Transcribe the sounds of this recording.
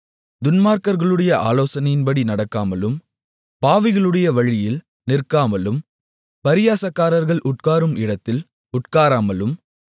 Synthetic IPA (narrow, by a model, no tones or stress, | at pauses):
d̪ʊnmaːɾkɐɾɣɐɭɯɽɐjɐʔa̰ːloːsɐnɐjɪnpɐɽinɐɽɐkːaːmɐlɯm | paːʋɪɣɐɭɯɽɐjɐʋɐɻɪjɪl | nɪrkaːmɐlɯm | pɐɾɪjaːsɐkːaːɾɐɾɣɐɭʔʊʈ̚kaːɾɯmɪɽɐt̪ːɪl | ʊʈkaːɾaːmɐlɯm